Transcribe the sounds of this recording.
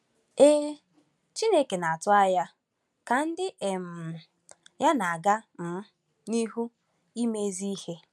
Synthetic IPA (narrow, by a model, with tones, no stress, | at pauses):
e˦ | t͡ʃi˦ne˦ke˨na˨a˨tʊ˦a˦ja˦ | ka˨n̩˦dɪ˦ʔe˨m̩˨ | ja˦na˨a˨ɡa˦m̩˨˦ | ni˦ɦu˦ | i˦me˦zi˦i˦he˦